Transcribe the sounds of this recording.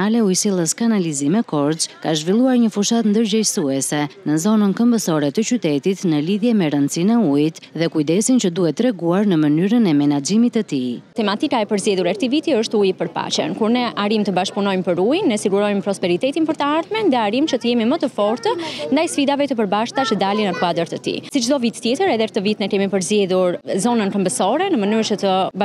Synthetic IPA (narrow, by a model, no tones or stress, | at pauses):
alɛujsilˠəskanalizimɛkɔɾzkaʒvilˠuaɾɲəfuʃat̪nd̪əɾd͡ʑəjsuɛsɛnəzɔnənkəmbəsɔɾɛt̪ət͡ɕyt̪ɛt̪it̪nəliðjɛmɛɾənt͡sinɛuit̪ðɛkujd̪ɛsint͡ʃəd̪uhɛt̪ɾɛɡuaɾnəmənyɾənɛmɛnad͡ʒimit̪ət̪it̪ɛmat̪ikaɛpəɾzjɛðuɾɛɾt̪ivit̪iəʃt̪ujipəɾpa̰t͡ʃə̰nkuɾnɛʔaɾimt̪əbaʃpunɔjmpəɾujnːɛsiɡuɾɔjmpɾɔspɛɾit̪ɛt̪inpəɾt̪əaɾθmɛnðɛaɾimt͡ʃət̪əjɛmimət̪əfɔɾt̪ənd̪ajsfid̪avɛt̪əpəɾbaʃt̪at͡ʃəd̪alinəkuad̪əɾt̪ət̪ḭsit͡ʃd̪ɔvit̪t̪ːjɛt̪əɾɛðɛkt̪əvit̪nɛkɛmipəɾzjɛðuɾzɔnənkəmbəsɔɾɛnəmənyɾt͡ʃət̪əb